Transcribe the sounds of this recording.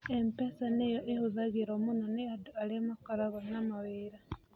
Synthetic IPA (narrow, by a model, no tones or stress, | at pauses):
empesanejoʔehuzaɣiɾomunoneadualemakaɾaβanamawiɾa